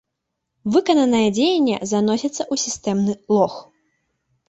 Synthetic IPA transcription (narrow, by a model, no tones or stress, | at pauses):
vɨkɐnɐnɐjɐd͡zʲejɛnʲːɛ̰zanɔsʲɐt̪sːɐʔusʲist̪ɛmnɨlˠɔx